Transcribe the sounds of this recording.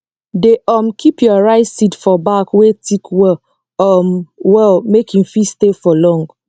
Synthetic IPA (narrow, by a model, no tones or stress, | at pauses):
deʔɔmkʰipʰjɔɹaɪsitfɔbakwetʰikʰwɛ | ɔmwɛlmekĩmfistefɔlɔ̃ŋɡ